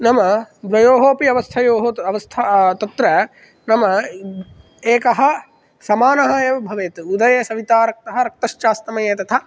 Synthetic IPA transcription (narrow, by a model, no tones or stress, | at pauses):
nɐmɐd̪ʋɐjoːɦoːpiɐʋɐst̪ʰɐjoːɦoɐʋɐst̪ʰat̪ɐt̪ɾɐ | nɐmɐ | eːkɐɦɐ̆ | sɐmaːnɐɦɐeːʋɐbʱɐʋeːt̪ud̪ɐjɐsɐʋit̪aːɾɐk̚t̪ɐɦɐ̆ɾɐk̚t̪ɐʃt͡ʃaːst̪ɐmɐjeːt̪ɐt̪ʰɐ